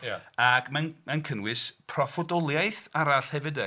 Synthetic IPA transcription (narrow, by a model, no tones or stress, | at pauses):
jaaɡmanmankʰənwɪspʰrɔfɔdɔlˠjajθaɾaɬhɛvɨdə